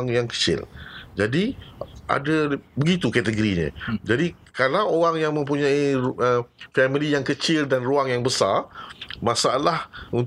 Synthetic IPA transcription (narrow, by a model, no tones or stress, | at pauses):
ŋjaŋkə̥t͡ʃɪ̰ld͡ʒadiʔa̰dabəɡit̪ukɛt̪əɡoɾiɲə̰̃d͡ʒadi | kalawoɾaŋjaŋmə̃mpuɲãiəfɛmilijaŋkət͡ʃɪldanruaŋjaŋbəsa̰rmãsaalahun